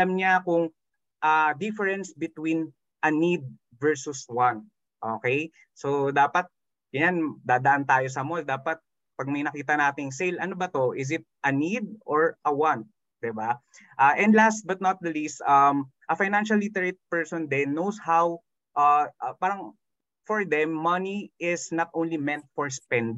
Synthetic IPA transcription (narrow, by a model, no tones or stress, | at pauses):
ɐlɐmɲakʊŋ | ʔad̪ɪfɛɹɛnsbɪt̪win | ʔɐnid̪̚ | vɛɹsʊswan | ʔoːkɛj | sod̪aːpɐt̪̚ | ɡ̥ɐɲand̪aːd̪ɐʔɐnt̪aːjosɐmold̪aːpɐt̪̚ | pɐɡ̚mɐjnɐkiːt̪ɐnaːt̪ɪŋsejlʔɐnobɐt̪o̞ʔɪs̬ɪt̪̚ʔɐnid̪̚ʔɔɹʔɐwãnt̪̚ | d̪ɪba | ʔaʔɛ̃nd̪last̪̚bɐt̪̚nɐt̪̚dɐlist̪ɐmʔɐfajnanʃɐlːit̪ɛɹet̪̚pɛɹsɔnd̪ɛnːowshaw | ʔapaːɾɐŋ | fɔɹd̪ɛmːɐniʔɪsnɐt̪ʔõnlimɛ̃nt̪̚fɔɹspɛnd̪